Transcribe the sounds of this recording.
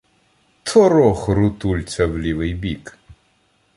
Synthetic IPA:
t̪ʰɔɾɔxɾʊt̪ulʲt͡sʲɐwlʲiʋɪjbʲik

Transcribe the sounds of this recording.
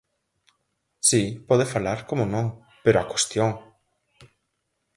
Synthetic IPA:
sipoðefalaɾkomonõŋ | peɾoakwest̪joŋ

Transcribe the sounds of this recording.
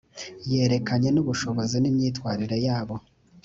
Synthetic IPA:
je̞ːɾe̞kaɲenuβuʃo̞βo̞zinimɲiːtwaːɾiɾe̞jaːβo̞

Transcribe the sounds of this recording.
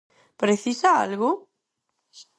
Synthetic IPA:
pɾeθisaa̰lɣʊ

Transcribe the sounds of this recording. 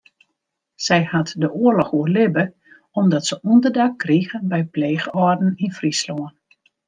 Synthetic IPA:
sɛjhatdəʔuərlɔxuərlɪbə | ɔmdɔtsəundərdakːriɣəbɛjpleːɣəɔrdn̩infrisloən

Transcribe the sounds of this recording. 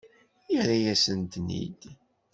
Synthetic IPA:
jəɾajæsənt̪nḭd̪

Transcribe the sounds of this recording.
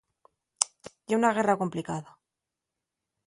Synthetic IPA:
eunaɣ̞e̞rako̞mplikaða

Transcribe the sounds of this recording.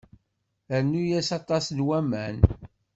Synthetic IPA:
æɾnːujæsɑt̪ˤɑsnwæmæn

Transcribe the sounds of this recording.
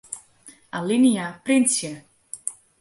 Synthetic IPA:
alinijapɾint̪sjɛ

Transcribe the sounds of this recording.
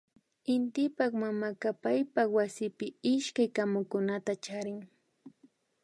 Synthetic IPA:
ɪnt̪ɪpakmamakapajpawasɪpɪɪʃkajkamʊkʊnat̪at͡ʃaɾɪŋ

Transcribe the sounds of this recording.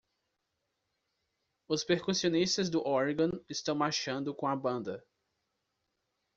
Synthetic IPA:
ʊspeɾkusiõnist̪ɐzd̪ʊʔɔɾɡɐ̃ɪst̪ɐ̃w̃maʃɐ̃nd̪ʊkõɐbɐ̃nd̪ɐ

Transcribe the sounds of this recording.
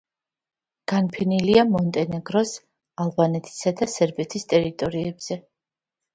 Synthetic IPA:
ɡ̥anpʰɛniliamɔnt̪ʼɛnɛɡɾɔs | alˠbanɛt̪ʰi̥sad̪asɛɾbɛt̪ʰist̪ʼɛɾit̪ʼɔɾiɛbz̥ɛ

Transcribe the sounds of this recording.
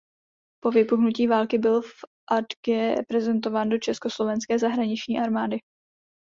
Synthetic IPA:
po̞vɪpuxnuciːvaːlkɪbɪlfʔadɡɛɾɛ̰pɾɛzɛnt̪o̞vaːndo̞t͡ʃɛsko̞slo̞vɛnskɛːzaɦɾaɲɪt͡ʃɲiːʔaɾmaːdɪ

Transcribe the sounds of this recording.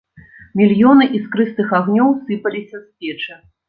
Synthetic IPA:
mʲilʲjɔnɨʔiskɾɨst̪ɨxaɣnʲɔwsɨpɐlʲisʲɐspʲɛt͡ʂɐ

